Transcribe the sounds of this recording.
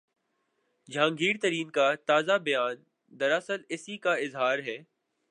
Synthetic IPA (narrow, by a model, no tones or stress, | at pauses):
d͡ʒʱãːŋɡiːɾt̪ɐɾiːnkat̪aːzabɐjaːn | d̪ɐɾəsəlɪsikaɪzɦaːɾɦɛː